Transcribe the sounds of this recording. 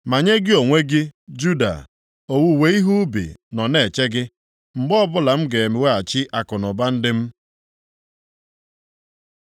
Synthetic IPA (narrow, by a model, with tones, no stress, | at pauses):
ma˨ɲe˦ɡɪ˦o˨ŋʷe˦ɡɪ˦d͡ʒu˦da̰˨ | o˨wu˦we˦i˦ɦu˦bḭ˨nɔ˨ne˨t͡ʃe˦ɡɪ˦ | ŋ͡m̩˨ɡ͡bɔ˦bʊ˦la˨m̩˦ɡe˨e˨me˨we˦a˨t͡ʃɪ˦ʔa˨kʊ˨nʊ˨ba˦n̩˦dɪ˦m̩˦